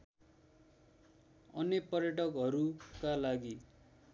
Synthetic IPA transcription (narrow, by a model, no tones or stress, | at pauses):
ʌnːepʌrjʌʈʌkɦʌɾukalaɡi